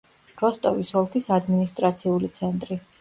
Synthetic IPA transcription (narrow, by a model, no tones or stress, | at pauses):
ɾɔst̪ʼɔvisɔlˠkʰisad̪minist̪ʼɾat̪sʰiulit̪sʰɛnt̪ʼɾi